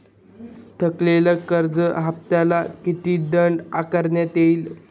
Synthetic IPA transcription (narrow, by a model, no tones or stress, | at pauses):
t̪ʰəkleləkəɾd͡zəɦap̚t̪alakit̪iːd̪əɳɖakəɾnjat̪eil